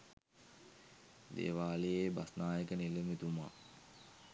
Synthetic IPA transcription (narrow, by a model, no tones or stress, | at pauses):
d̪ḛːʋaːlejebasnaːjəkəneləmit̪uma̰